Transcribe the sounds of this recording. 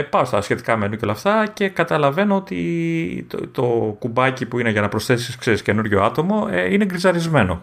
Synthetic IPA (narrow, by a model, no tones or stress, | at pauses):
pɐost̪ɐsçe̞t̪i̥kɐmenuceo̞lɐft̪ɐce̞kɐt̪ɐlɐve̞noot̪ḭ | t̪o̞kubɐcipuine̞ʝɐnɐpɾo̞sθe̞siskseɾisce̞nuɾʝo̞ɐt̪o̞moineɡɾizɐɾizme̞no̞̰